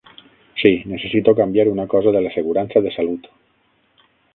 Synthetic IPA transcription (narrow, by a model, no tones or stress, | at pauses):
sinesesit̪okambjaɾunakɔzaðelaseɣ̞uɾansaðesalut̪